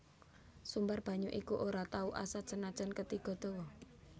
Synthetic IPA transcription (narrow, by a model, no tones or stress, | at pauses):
sumbarb̥ä̤ɲuʔikuʔoɾat̪auʔa̰sad̥ʒ̥ənad̥ʒ̥ə̤nkət̪iɡ̥ɔ̤d̪̥o̤wɔ